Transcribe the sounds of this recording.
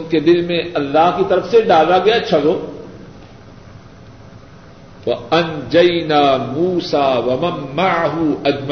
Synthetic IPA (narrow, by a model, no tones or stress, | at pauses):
ʊnked̪ɪlmẽɐlːaːɦkit̪ɐɾəfseɖaːlaɡɐjat͡ʃʰɐɽoː | ɐɐnd͡ʒɐjnaːmuːsaːwɐmɐmːaʕɦuɐd͡ʒm